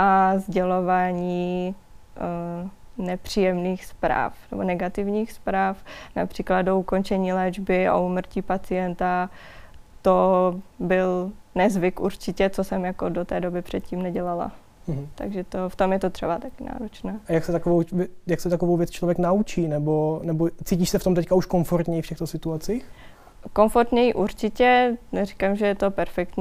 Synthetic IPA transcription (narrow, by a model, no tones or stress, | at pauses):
ʔazɟɛlovaːɲiː | nɛpr̥iːjɛmniːxspɾa̰ːfnɛ̰bonɛɡat̪ɪvɲiːxspɾaːfna̰pr̝̥iːklad̪̚douko̞nt͡ʃɛɲiːlɛːd͡ʒbɪo̰umr̩ciːpat͡sɪjɛnt̪a | t̪obɪlnɛzvɪkuɾt͡ʃɪcɛt͡sosɛmjakodot̪ɛːdo̞bɪpr̥ɛt̪̚ciːmnɛɟɛlala̰ | t̪a̰ɡʒɛt̪o̞ft̪o̞mjɛt̪ot̪r̥ɛbat̪akɪna̰ːɾot͡ʃnɛːajaksɛt̪akovowɛjaksɛt̪akovowvjɛt͡st͡ʃlovjɛknaut͡ʃiːnɛbonɛbot͡siːciːʃsɛft̪o̞mt̪ɛckauʃkonfoɾt̪ɲɛjfcɛxt̪osɪt̪uat͡siːx | ko̞nfoɾt̪ɲɛjiʔuɾt͡ʃɪcɛnɛɾi̥kamʒɛjɛt̪o̞pɛɾfɛkt̪ɲː